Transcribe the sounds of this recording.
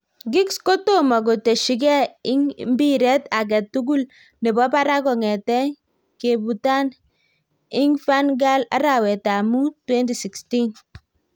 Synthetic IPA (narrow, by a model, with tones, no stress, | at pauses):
ɡɪ˦ksko˦to˦ma˨ɡo˨te˨ʃi˦ɡɛ˦ɪ˦ŋmbi˦ɾɛ˦ta˨ɡ̬ɛ˨tːu˦ɡu˦l | ne˨bɔ˦pa˦ɾa˦ɡɔ˨ŋɛ˨tɛ˦ŋ | ke˨bu˨ta˦n | ɪ˦ŋfa˦nɡa˦la̰˦ɾa˨wɛ˨ta˨mu˦twɛ˦nti˨si˨ksti˦n